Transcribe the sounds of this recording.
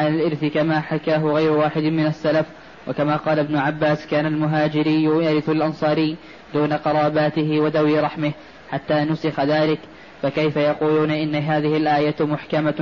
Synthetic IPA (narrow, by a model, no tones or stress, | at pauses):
ʕalalʔɪɾθɪkamaːħakaːɦʊɣajɾʊwaːħɪd̪ɪmɪnasːalaf | wʔakamaːqɑːlabnʊʕabːaːskaːnalmʊɦaːd͡ʒɪɾɪjːʊjaːɾɪθalʔɑnsˤɑːɾɪjː | d̪uːnaqɑɾˤɑːbaːt̪ɪɦɪwad̪awɪɾˤɑħmɪh | ħat̪ːaːnʊsɪxaðaːlɪk | fakajfajɑquːluːnʔɪnːɪɦaːðɪhɪlʔaːjamʊħkama